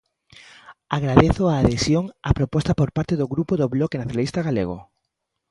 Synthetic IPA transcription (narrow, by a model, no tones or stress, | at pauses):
aɣɾaðeθoaːðesjoŋapɾopɔst̪apoɾpaɾt̪eðoɣɾupoðoβlɔkenaθjonalist̪aɣalḛɣ̞o̰